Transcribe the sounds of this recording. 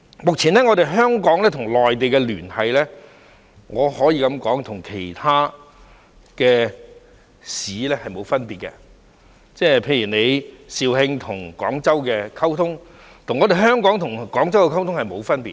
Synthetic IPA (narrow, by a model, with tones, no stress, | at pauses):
mʊ˨k̚t͡sʰiː˨˩nɛː˥ŋɔː˨˧t̪e˨˧jɦœː˥ŋkɔː˨˥ŋlɛː˥t̪ʰʊ˨˩ŋlɔː˨jt̪̬e˨jkɛ˧lyː˨˩nhɐ˨jlɛː˥ | ŋɔː˨˧hɔː˨˥jiː˧kɐ˨˧mkɔː˨˥ŋt̪ʰʊ˨˩ŋkʰe˨˩jt̪ʰaː˥ | kɛː˧ | siː˨˥lɛː˥hɐ˨jmo˨˧wfɐ˥npiː˨t̚kɛ̰˧ | t͡sɛː˥˩pʰe˧jyː˨˩ne˨˧jsiː˨˧whɪ˧ŋt̪ʰʊ˨˩ŋkɔ̰ː˨˥ŋt͡sɐ˥wkɛː˧kʰɐ˥wt̪ʰʊ˥ŋ | t̪ʰʊ˨˩ŋːɔː˨˧t̪e˨jɦœː˥ŋkɔː˨˥ŋt̪ʰʊ˨˩ŋkɔː˨˥ŋt͡sɐ˥wkɛ˧kʰɐ˥wt̪ʰʊ˥ŋhɐ˨jmo˨˧wfɐ˥npiː˨